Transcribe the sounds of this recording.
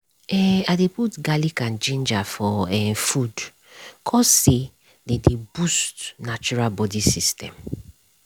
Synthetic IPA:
ɛadeputɡalikãnd͡ʒẽnd͡ʒafɔɛfud | kʰɔsse | dedebustnat͡ʃuɹalbɔdisistɛ̰̃m

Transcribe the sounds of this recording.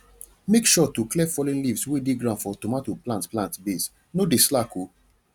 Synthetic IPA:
mekʃɔtuklɛfɔlĩnlivswedeɡɹãnfɔtɔmatoplãntplãntbes | nodeslako

